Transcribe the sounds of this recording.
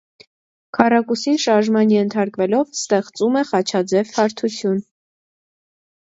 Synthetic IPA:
kʰɑrɑkusinʃɑɾʒmɑnjɛnt̪ʰɑɾkvɛlɔvst̪ɛχt͡sumɛχɑt͡ʃʰɑd͡zɛvhɑɾt̪ʰut͡sʰjun

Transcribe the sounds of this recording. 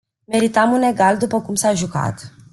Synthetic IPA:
me̞ɾit̪amune̞ɡald̪upəkumsaʒuka̰t̪

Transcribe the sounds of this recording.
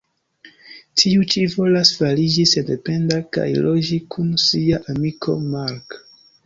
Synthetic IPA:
tʰiut͡ʃivo̞lasfalid͡ʒisedepe̞ndaka̰jlo̞d͡ʒikʰunsiaʔamikʰo̞̰maɾk

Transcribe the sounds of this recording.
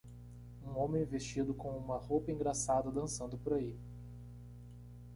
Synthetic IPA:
ũõmẽj̃vest͡ʃid̪ʊkõũmɐhowpɐĩŋɡɾasad̪ɐd̪ɐ̃sɐ̃nd̪ʊpoɾai

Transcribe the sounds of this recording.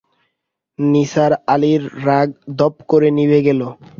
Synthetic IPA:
nisaɾaliɾːaɡ̚d̪ɔpkoɾenibeɡɛlo

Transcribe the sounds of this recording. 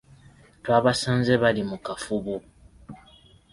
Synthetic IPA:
twaːβasaːnzeβalimukafuβu

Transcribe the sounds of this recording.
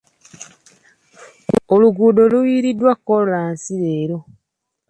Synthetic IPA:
oluɡuːdo̞luwiːɾidːwakːollaːnsiɾeːɾo̞

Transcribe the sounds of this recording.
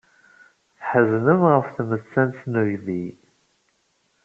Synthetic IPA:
θħəznəmʁəfθmət͡sːænsnəjði

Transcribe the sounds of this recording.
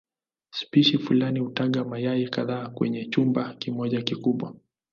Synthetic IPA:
spiʃifulanihutaɠamajaikaðaːkwɛ̰ɲɛt͡ʃumbakimɔʄakikuɓwa

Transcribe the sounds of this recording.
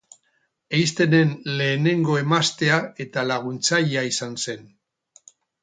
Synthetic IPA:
ejst̪e̞ne̞nle̞ːne̞ŋɡo̞e̞mast̪e̞ae̞t̪alaɣ̞unt͡sajeaisanse̞n

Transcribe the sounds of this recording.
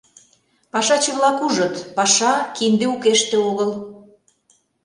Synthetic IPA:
pɑʃɑt͡ɕeβlɑkuʒə̆t̪pɑʃɑkind̪eukeʃt̪ĕoɣəl

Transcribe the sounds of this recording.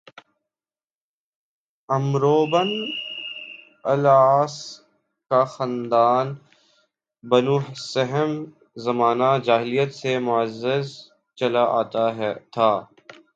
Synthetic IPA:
ɐmɾoːbən | ɐlaːs | kaxãnd̪aːn | bɐnuːɦsɐɦəm | zɐmaːnad͡ʒaːɦɪlijət̪semʊəzːɪz | t͡ʃɐlaʔa̰ːt̪aɦɛt̪ʰaː

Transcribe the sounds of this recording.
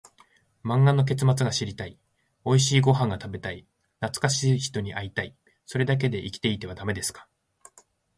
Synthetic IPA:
mãŋɡano̞k̬e̞t͡sɨmat͡sɨɡaɕiɾʲit̪ai | o̞iɕiːɡo̞ɦãŋɡat̪abe̞t̪ai | nat͡sɨ̥kaɕiːçi̥t̪o̞ɲ̟iʔait̪ai | so̞ɾe̞d̪ak̬e̞d̪e̞ʔikʲi̥t̪e̞it̪e̞βad̪ame̞d̪e̞sɨ̥kḁ

